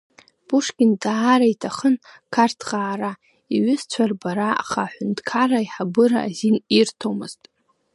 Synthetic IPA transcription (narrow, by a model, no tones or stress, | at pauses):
b̥uʂkʲɪndaːɾaitʰaχən | kʰartʰʁaːɾa | iɥʷʏzt͡ɕʷʰarbaɾaa̰χa̰ħʷʊndkʰaraiħabɨɾa̰ːzinirtʰomɨz̥tʼ